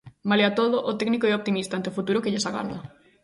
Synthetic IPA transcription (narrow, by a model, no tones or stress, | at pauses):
maleat̪oðoʔot̪ɛɡnikoɛop̚t̪imist̪ãnt̪eofut̪uɾokeɪʎesaɣa̰ɾðɐ̰